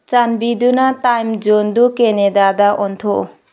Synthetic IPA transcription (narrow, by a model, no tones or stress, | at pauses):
t͡ʃanbidunatajmd͡ʒondukenedadaʔɔntʰo